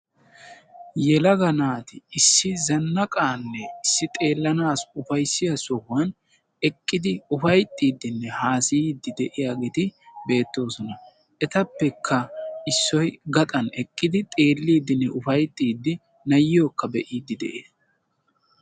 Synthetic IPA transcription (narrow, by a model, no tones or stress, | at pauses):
jɛlɐɡɐnaːt̪ɪɪsːɪzɐnːɐkʼaːnːɛɪsːɪt̪ʼe̞ːlːɐnaːsʊfɐjsːɪjɐsɔhːɐn | ɛkʼːɪd̪ɪʊfɐjt̪ʼːiːd̪ːɪnːɛhaːsɪjiːd̪ːɪd̪ɛʔɪjaːɡeːt̪ɪbe̞ːt̪ːo̞ːsɔnɐ | ʔɛt̪ɐpːɛkʰːɐɪsːɔjɡɐt̪ʼɐnɛkʼːɪd̪ɪt̪ʼe̞ːlːiːd̪ɪnːɛʔʊfɐjt̪ʼːiːd̪ːɪ | nɐjɪjoːkːɐbɛʔiːd̪ːɪd̪ɛ̰ʔeːs